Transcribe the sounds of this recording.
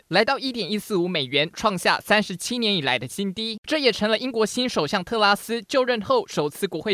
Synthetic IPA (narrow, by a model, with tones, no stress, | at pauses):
la˧˥ɪt̪ɑ˥˧ʊi˥˩t̪jɛ˨˩ni˥sɹ̩˥˩u˧˥me˨˩ɪɥɛ˧˥nʈ͡ʂʰwɑ˥˧ŋɕja̰˥˩sa˥nʂɻ̩˧˥t͡ɕʰi˥njɛ˧˥ni˨˩la̰˧˥ɪd̪ə˧ɕi˥nt̪i˥ʈ͡ʂɤ˥˩jɛ˨˩ʈ͡ʂʰɤ˧˥ŋlə˧ʔi˥ŋkwɔ˧˥ɕi˥nʂo˨˩ʊɕjɑ˥˧ŋt̪ʰɤ˥˩la˥sɹ̩˥t͡ɕjo˥˧ʊɻə˥˧nxo˥˩ʊʂo˨˩ʊt͡sʰɹ̩˥˩kwɔ˧˥xwe˥˩